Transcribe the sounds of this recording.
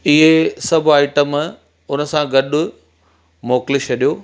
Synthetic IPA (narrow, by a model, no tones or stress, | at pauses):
ɪɦesɐbʱaːɪʈəm | ʊnə̆sãɡɐɗʊ | moːklɪɕʰɐɗijoː